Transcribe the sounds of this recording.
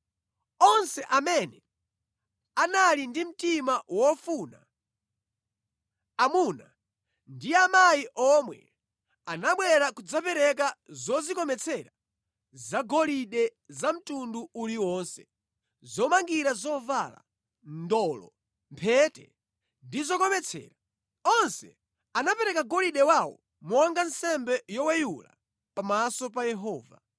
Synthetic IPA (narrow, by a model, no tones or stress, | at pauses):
ɔnsɛʔamɛnɛ | analindim̩timawɔfuːna | amuna | ndiamajiʔɔmwɛ̰ | anaɓwɛɾakud͡zapɛɾɛk̬azɔzikɔmɛt͡sʰɛɾa | zaɡɔliɗɛzam̩tunduuliwɔnsɛ̥ | zɔmaŋɡiɾazɔvala̰ | ndɔlɔ̰ | mpʰɛtɛ̰ | ndizɔkɔmɛt͡sʰɛ̰ːɾa | ɔnsɛ | anapɛɾɛkaɡɔliɗɛwawɔ̰ | muaŋɡansɛmbɛjɔwɛjula̰ | pamasɔp̬ajɛɦɔːva̰